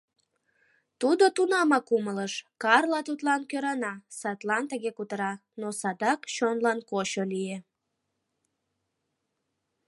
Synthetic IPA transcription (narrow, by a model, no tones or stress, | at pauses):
t̪ud̪ot̪unɑmɑkumələʃkɑrlɑt̪ut̪lɑnkøɾɑnɑsɑt̪lɑnt̪əɣekut̪əɾɑnosɑd̪ɑkt͡ɕonlɑnkot͡ɕolije